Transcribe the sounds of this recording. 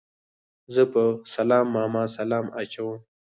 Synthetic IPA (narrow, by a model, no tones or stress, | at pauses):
zəpəsɐlɑːmːɑːmɑːsalɑːmat͡ʃawũm